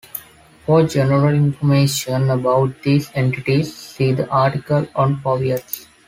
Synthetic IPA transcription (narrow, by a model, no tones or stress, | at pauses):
fɔːɾd͡ʒɛnəɾəlɪ̃nfɔmeːʃə̃nɐbaʊʈ̚d̪iːzẽɳʈɪʈisːiːd̪əʔaːɾʈɪkəlɔ̃ɳɖpɔːʋiəʈs